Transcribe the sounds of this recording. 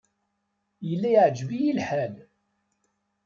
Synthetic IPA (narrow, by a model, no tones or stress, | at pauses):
jəlːæjʕd͡ʒvijilħæl